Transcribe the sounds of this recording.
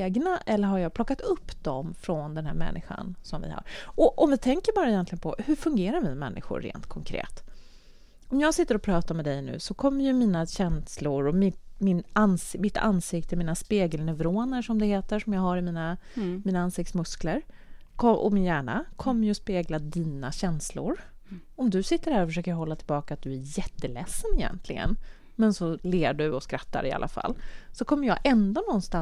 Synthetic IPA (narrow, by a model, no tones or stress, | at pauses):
ɡnaʔɛlːəɾɦaɾjɑːɡ̚pʰlɔkːat̪ɵpːd̪̥ɔmfɾɔnd̪ɛnhæ̰ːɾmɛ̰nːɪ̰ɧa̰nsɔmvɪ̰ha̰ɾɔʔɔmvɪt̪ʰɛŋkəɾbɑːɾaɪjɛnt̪lɪɡənpʰɔhɵɾfɵŋɡeːɾaɾvɪɛmɛ̰nːʔɪ̰ɧʊ̰ɾːḛːnt̪kʰɔŋkʰɾḛːt̪ | ɔmjɑːɡsɪt̪ːəɾɔpʰɾɑːt̪amɛd̪ɛjnʉ̟̰ːsɔkʰɔmːəɾjɵmiːnaɕɛnslʊɾɔmɪmɪnansmɪt̪ʰːa̰nsɪkt̪əmiːnaspeːɡəlnɛvɾoːnəʂɔmd̪ɛheːt̪əʂɔmjɑːɡɦaɾɪmiːnamiːnaansɪk̚t̪smɵskləɾ | kʰɔʔɔ̰mɪnjæːɳa̰kʰɔmːəjɵɔspeːɡlad̪iːnaɕɛnslʊ̰ɾ | ɔmd̪ɵsɪt̪ːəɾhæːɾɔfəʂøːkəjɦɔlːat̪ʰɪlbɑːkaːt̪̚d̪ɵæɾjɛt̪ːəlɛ̰sːənɪjɛ̰nt̪ʰlɪɡə̰n | mɛnsɔleːɖɵɔskɾat̪ʰːa̰ɾɪa̰lʔa̰fa̰lːsɔkʰɔmːəɾjɑːɡʔɛnd̪onɔnst̪a